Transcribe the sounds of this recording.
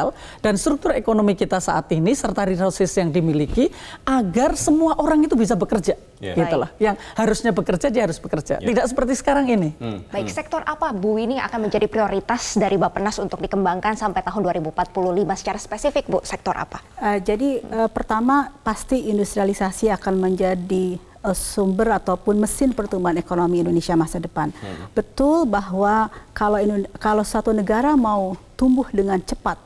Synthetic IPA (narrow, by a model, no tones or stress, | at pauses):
al | d̥anst̪ɾuk̚t̪ʊɾekonomikit̪asa̰ʔat̪inisərt̪aɾiɾasɪsjaŋdimilikiaɡarsəmuaʔoɾaŋit̪ubis̬abəkərd͡ʒa | ɡit̪ula̰hjaŋhaɾʊsɲabəkərd͡ʒadiɦaɾʊsb̥əkərd͡ʒa̰tt̪idaʔksəpərt̪isə̥kaɾaŋinibaɪk̚sɛk̚t̪ɔrʔapabuwinia̰kanməɲd͡ʒadipɾioɾit̪asdaɾibapənasunt̪ʊk̚dikəmbaŋkansampajt̪aɦʊnduaɾibuumpat̪̚puluhlimasə̥t͡ʃaɾaspesifɪk̚bʊsɛk̚t̪ɔ̰ɾʔa̰paəd͡ʒadiəpərt̪amapast̪iindust̪ɾialisasiakanməɲd͡ʒadi | əsumbərat̪awpʊnməsɪnpərt̪umbaɦanekonomiːndonesiamasadəpanbət̪ʊlbaɦwakalainkalawsəsat̪unəɡaɾamaut̪umbʊhdəŋant͡ʃəpat̪̚